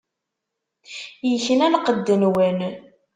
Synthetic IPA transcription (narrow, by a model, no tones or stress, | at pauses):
jəçənænqəd̪ːənwən